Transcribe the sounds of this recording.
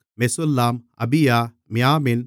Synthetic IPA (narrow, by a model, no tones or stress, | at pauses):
mesolːaːmɐ̰bijaː | mijaːmin